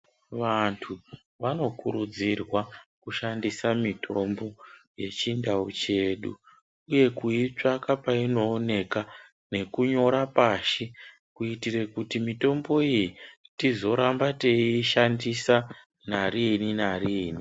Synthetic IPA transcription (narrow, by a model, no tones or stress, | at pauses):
ʋantʰu | ʋano̞kuɾud͡zirwakuʃandisamitʰoo̞mbo̞je̞t͡ʃindaut͡ʃe̞ːɗu | uje̞kuit͡ʂakapaino̞ːne̞ka | ne̞kuɲo̞ɾapaːʃi | kuitirekutimito̞mbo̞ijitizo̞ɾambateiʃandisa | naɾininariːni